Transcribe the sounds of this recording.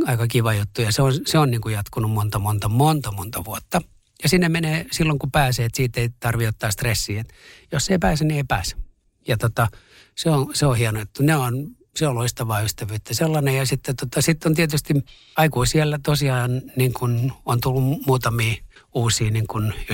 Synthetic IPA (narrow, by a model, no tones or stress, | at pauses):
ɑikɑkiʋɑjut̪ːujɑseonseonniːŋkujɑt̪kunummont̪ɑmont̪ɑmont̪ɑmont̪ɑʋuot̪ːɑ | jɑsinːemmeneːsilːoŋkupæːseːet̪siːt̪ːeit̪ɑrʋiot̪ːɑːst̪resːiːet̪josːeipæːsænieipæːsæ̥ | jɑt̪ot̪ɑ | seoseohienot̪ːuneon | seoloist̪ɑʋɑːyst̪æʋyːt̪ːæselːɑnejɑsit̪ːet̪ot̪ɑsit̪ːont̪iet̪yst̪i | ɑikuisielːæt̪osiɑːnniŋkunont̪ulːummuːt̪ɑmiːuːsiːniŋkun